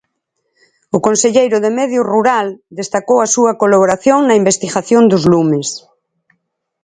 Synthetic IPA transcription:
ʊkonseʎejɾʊðemɛðjʊruɾald̪est̪akowɐsuɐkolaβ̞oɾaθjoŋnɐimbest̪iɣaθjond̪ʊzlumes

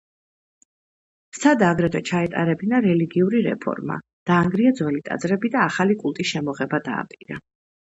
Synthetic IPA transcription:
sad̪aaɡɾɛd̪ɛt͡ʃʰaɛt̪ʼa̰ɾɛbinaɾɛliɡiuɾiɾɛ̰pʰɔ̰ɾma̰ | d̪̥aːŋɡɾiad̪zwɛlit̪ʼa̰d̪zɾɛbid̪aːχalikʼulˠt̪ʼisʃɛmɔʁɛbad̪a̰ːpʼiɾa̰

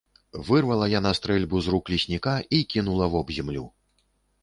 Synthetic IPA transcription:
vɨrvɐlˠɐjanɐst̪ɾɛlʲbuzruklʲisʲnʲikaikʲinulˠɐvɔbzʲɛmlʲu

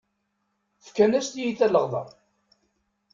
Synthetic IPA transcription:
fkːænæst̪jiθælːəʁðˤɑ̰

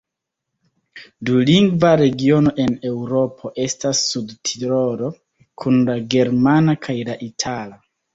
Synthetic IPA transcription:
duliŋɡvaɾe̞ɡio̞no̞ʔe̞ne̞wɾo̞pʰo̞ʔe̞stasːudtʰiɾo̞ɾo̞ | kʰunlaɡe̞ɾmanakʰajlaʔitʰala

